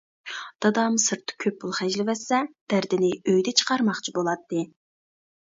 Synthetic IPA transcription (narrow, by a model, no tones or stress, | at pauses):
d̪̥ɑd̪ɑmsɨɾt̪ʰːɨ̥kʲʰøpːulˠχɛʒlɪvɛsːɛd̪̥æɾd̪ɪnɪøjd̪ɛt͡ʃʰə̥qɑɾmɑχt͡ʃʰibolˠɑt̪ːɨ